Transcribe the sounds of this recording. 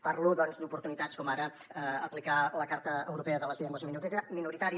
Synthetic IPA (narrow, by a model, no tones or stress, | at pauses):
paɾluðɔnzd̪upuɾt̪unit̪at͡skɔmaɾə | əplikaləkaɾt̪əəwɾupeəðələzeʎəŋoziəminut̪ɛkəminuɾit̪aɾi